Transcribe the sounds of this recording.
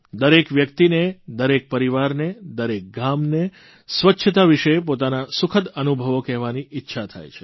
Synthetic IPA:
d̪əɾekʋjək̚t̪ined̪əɾek̚pəɾiʋaɾned̪əɾek̚ɡamne | sʋətːʃʰət̪aʋiʃepot̪anasʊkʰət̪ənubʱəʋokɛɦʋaniʔɪtːʃʰat̪ʰa̰jt͡ʃʰe̥

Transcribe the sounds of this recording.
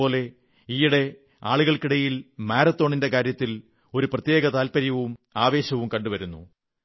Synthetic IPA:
o̞ːle̞ | iːjuɽe̞ | a̰ːɭuɣɐɭkiɽɐjilmaːɾɐt̪ːo̞ːɳinde̞kaːɾjɐt̪ːil | o̞ɾuprɐt̪je̞ːɣɐt̪aːlpɐɾjɐʋumaːʋe̞ːɕɐʋumkɐɳɖuʋɐɾunːṵ

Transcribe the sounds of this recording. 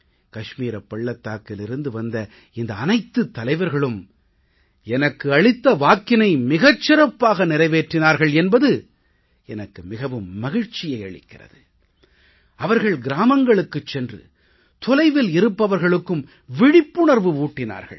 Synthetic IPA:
kɐʂmiːɾɐpːɐɭːɐt̪ːaːkɪlɪɾɯnd̪ɯʋɐnd̪ɐ | ɪnd̪ɐːnɐɪt̪ːɯt̪ːɐlɐɪʋɐɾɣɐɭɯm | ɛnɐkːɯɐɻɪt̪ːɐʋaːkːɪnɐɪmɪɣɐt͡ʃːɪɾɐpːaːɣɐnɪrɐɪʋeːʈrɪnaːɾɣɐɭɛnbɐðɯ | ɛnɐkːɯmɪɣɐʋɯmːɐɣɪɻt͡ʃɪjɐɪɐɭɪ̰kːɪrɐ̰ðɯ | ɐʋɐɾɣɐɭɡɪɾaːmɐŋɡɐɭɯkːɯt͡ʃːɛndrɯ̰ | t̪ɔlɐɪʋɪlɪɾɯpːɐʋɐɾɣɐɭɯkːɯm | ʋɪɽɪpːɯɳɐɾʋɯuːʈːɪna̰ːɾɣɐ̰ɭ

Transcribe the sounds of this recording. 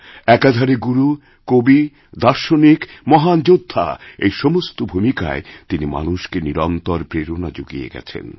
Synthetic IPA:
ɛkad̪ʱaɾeɡuɾu | kobi | d̪aɾʃonikmɔɦand͡ʑod̪ʱːa̰ejʃɔmost̪obʱumika̰et̪inima̰nuʃkeniɾɔnt̪ɔɾpɾeɾonad͡ʑoɡijḛɡɛ̰t͡ɕʰḛn

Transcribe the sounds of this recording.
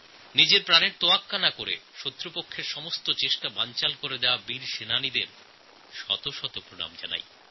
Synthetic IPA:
nid͡ʑeɾpɾaneɾt̪oakːanakoɾḛʃot̪ːɾopokʰːeɾʃɔmost̪ot͡ɕeʃʈabant͡ɕalkoɾed̪ɛoabiɾʃenanid̪eɾ | ʃɔ̰t̪oʃɔt̪opɾona̰md͡ʑa̰na̰j

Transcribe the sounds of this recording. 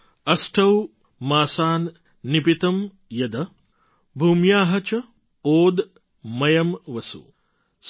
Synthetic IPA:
ɐsʈʰɐw | maːsaːnː | ipit̪ɐm | jɐd̪ɐ | bʱuːmjaːɦɐt͡ʃɐ | oːd̪ | mɐjɐmʋɐsṵ | s

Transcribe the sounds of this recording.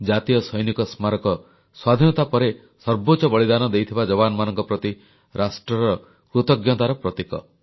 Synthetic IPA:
d͡ʒat̪ijɔsɔjnikɔsmaɾɔkɔ | swad̪ʱinɔt̪apɔɾe | sɔɾbot͡ʃɔbɔɭid̪anɔd̪ejt̪ʰibad͡ʒɔbanɔmanɔŋkɔpɾɔt̪i | ɾasʈɾɔɾɔ | kɾut̪ɔɡjɔt̪aɾɔpɾɔt̪ikɔ̰

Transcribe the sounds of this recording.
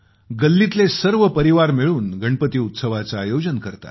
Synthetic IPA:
ɡəlːit̪lesəɾʋəpəɾiʋaɾmiɭuːnɡəɳpət̪iːut̪səʋat͡saːjod͡ʑənkəɾt̪a̰

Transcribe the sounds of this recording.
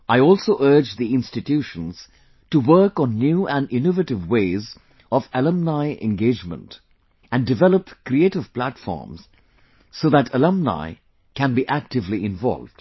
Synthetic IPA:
aɪɔlˠsoʊʔɜ˞d͡ʒðiɪ̃nstɨtʰjuʃə̃nz̥ | tuwɜ˞kɔ̃nːjuːʔæ̃nɪnovətɪvweɪːz | ɔvələ̃mnaɪʔɛ̰̃nɡeɪd͡ʒmə̰̃nt | æ̃ndɨvɛləpkɾieɪtɪv̥plætfɔ̰ːɹmz̥ | soːðætʰələ̃mna̰ɪ | kæ̃nbiʔæk̚tɨvliɪ̃nvɔ̰lˠvd̥

